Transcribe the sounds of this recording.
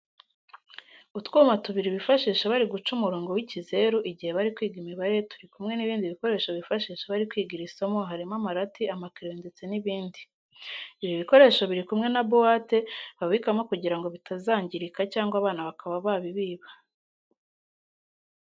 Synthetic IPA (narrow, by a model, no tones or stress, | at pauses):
utkuːmatuβiɾiβifaʃiːʃaβaɾiɡut͡ʃumuɾoːŋɡo̞wicize̞ɾuʔiɟihe̞βaɾikwiːɡimiβaɾe̞tu̥ɾikumŋe̞niβiːndiβiko̞ɾe̞ːʃo̞βifaʃiːʃaβaɾikwiːɡiɾisamo̞ɦaɾimamaɾatiamakiɾeːndet͡se̞niβiːndi | iβjoβiko̞ɾe̞ːʃo̞βiɾikumŋe̞nabowate̞βaβikamo̞kuɟiɾaŋɡo̞βitʰazaːɲɟiɾikacaːŋɡwaβaːnaβakʰaβaβaβiβiːβḁ